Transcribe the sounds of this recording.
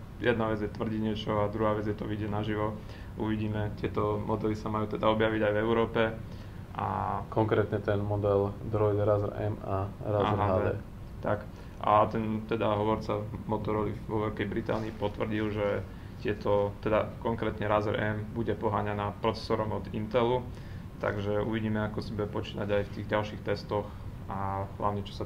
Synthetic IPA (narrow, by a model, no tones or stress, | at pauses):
jɛd̪naʋɛd͡zjɛt̪ʋr̩ɟiɟɲɪɛt͡ʃɔad̪ɾuɦaːʋɛd͡zjɛt̪ɔʋiɟɛnaʒiʋɔ | ʔuʋiɟiːmɛt̪ɪɛt̪ɔmʔɔd̪ɛlisamajuːt̪ɛd̪aɔbjaʋiɟajvɛʊɾɔːpɛ | ʔa̰kɔŋkɾɛːt̪ɲɛt̪ɛnmɔd̪ɛld̪ɾɔjd̪ɾazɾɛ̰maɾazaɦaːd̪ɛː | t̪ak | ʔa̰t̪ɛnt̪ɛd̪aɦɔʋɔɾt͡samɔt̪ɔɾɔliʋɔʋɛlkɛjbɾit̪a̰ːniːpɔt̪ʋr̩ɟilʒɛ | t̪ɪɛt̪ʰɔt̪ɛd̪akɔŋkɾɛːt̪ɲɛɾaːzɛɾʔɛmbuɟɛpɔɦaːɲanaːpɾɔt͡sɛ̥sɔːɾɔmɔd̪int̪ɛlu | t̪a̰ɡʒɛṵʋiɟiːmɛakɔsibuɟɛpɔt͡ʃiːnaɟajft̪iːɣɟalʃixt̪ɛst̪ɔx | aɦla̰ʊɲɛt͡ʃɔ̥sa